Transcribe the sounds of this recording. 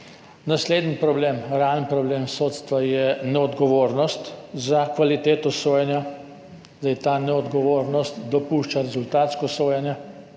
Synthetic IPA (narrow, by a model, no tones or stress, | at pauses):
nasleːd̪nipɾɔbleːmɾalnpɾɔbleːmsoːt̪st̪ʋajɛnɛɔd̪ɡɔʋoːɾnɔst̪zakʋalit̪eːt̪ɔsoːjɛnja | zd̪ajt̪anɛɔd̪ɡɔʋoːɾnɔst̪d̪ɔpuʃt͡ʃaɾɛzult̪aːt̪skɔsoːjɛnja